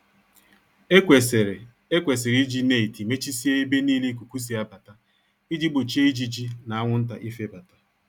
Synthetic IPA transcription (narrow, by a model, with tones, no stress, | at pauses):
e˦kʷe˨s̬ɪ˨ɾi˦d͡ʒi˦ne˦˨i˨ti˨me˦t͡ʃi˦si˦e˦i˦be˦niː˦le˦ku˨ku˦s̬i˨a˦ba˨ta˦ | i˦d͡ʒi˦bʊ˨t͡ʃe˦i˦d͡ʒi˦d͡ʒi˦na˨a˦ŋʷʊ˦n̩˦ta̰˨ʔi˦fe˦ba˨ta˦